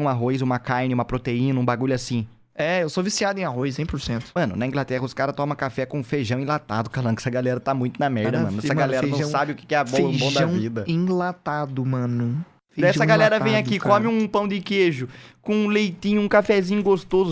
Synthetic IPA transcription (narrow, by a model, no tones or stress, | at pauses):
ũaɦojzũmɐkaɾnɪũmɐpɾot̪eĩnɐũbaɡuʎʊasĩ | ɛewsovisiad̪ʊẽaɦojs̬ẽj̃pʊɾsẽnt̪ʊ̥mɐ̃nʊnɐĩɡlat̪ɛɦɐʊskaɾɐt̪ɔ̃mɐ̃kafɛkõũfeʒɐ̃w̃ẽlat̪a̰d̪ʊkalɐ̃nʊɛsɐɡalɛɾɐt̪amũj̃t̪ʊnɐmɛɾd̪ɐ̃mɐ̃nʊɛsɐɡalɛɾɐɐɐ̃sabɪʊkɪ̥kɪɛabɔɐũʒbõw̃d̪ãwvid̪ɐẽlat̪ad̪ʊmɐ̃nʊ | feɛsɐɡalɛɾɐvẽj̃akikõmɪũpɐ̃w̃d̪ɪkeʒʊkõlejt̪ĩɲʊũkafɛzĩɲʊɡost̪ozʊ